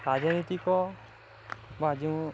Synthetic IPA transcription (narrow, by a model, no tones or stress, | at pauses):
ɾad͡ʒɔnit̪ikɔ | bad͡ʒi